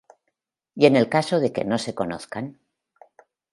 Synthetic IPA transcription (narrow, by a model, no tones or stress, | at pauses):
je̞ne̞lkaso̞ðe̞ke̞̰no̞se̞ko̞noθkan